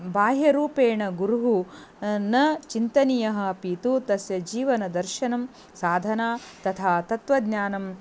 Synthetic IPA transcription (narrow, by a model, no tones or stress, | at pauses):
baːɦɐɾuːpeːɳɐɡuɾuɦu | nɐt͡ʃint̪ɐnijɐɦɐ̆piːt̪ut̪ɐsjɐd͡ʒiːʋɐnɐd̪ɐɾʃɐnɐm | saːd̪ʱɐnaːt̪ɐt̪ʰaːt̪ɐt̪ʋɐd̪ɲaːnɐm